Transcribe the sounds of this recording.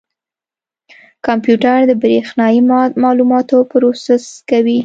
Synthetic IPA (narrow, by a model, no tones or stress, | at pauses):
kɑmpjuʈaɾd̪əbɾexnɑjimɑlumɑt̪opɾosɪskawi